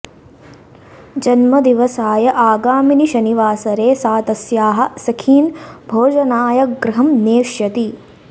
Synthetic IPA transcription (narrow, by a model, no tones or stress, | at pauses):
d͡ʒɐnmɐd̪iʋɐsaːjɐʔaːɡaːminiʃɐniʋaːsɐɾeːsaːt̪ɐsjaːɦɐ̆sɐkʰiːnbʱoːd͡ʒɐnaːjɐɡɾɐɦɐmneːʃjɐt̪i